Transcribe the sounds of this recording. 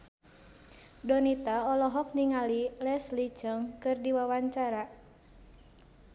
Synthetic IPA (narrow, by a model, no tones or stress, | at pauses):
dɔnit̪aɔlɔɦɔk̚niŋalilɛslit͡ʃəŋkɨrdiwawaɲt͡ʃaɾa